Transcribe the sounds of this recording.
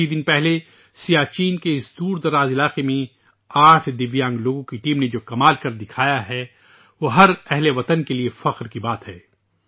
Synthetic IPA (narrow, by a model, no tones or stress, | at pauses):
id̪ɪnpɛɦle | sijaːt͡ʃiːnkeɪsd̪uːɾd̪ɐɾaːzɪlaːqemẽ | aːʈʰd̪ɪʋjãːŋɡloːɡõkiʈiːmned͡ʒoːkɐmaːlkɐɾd̪ɪkʰaːjaɦɛ | ʋoːɦɐɾɛɦleʋɐt̪ənkeliefɐqɾkibaːt̪ɦɛː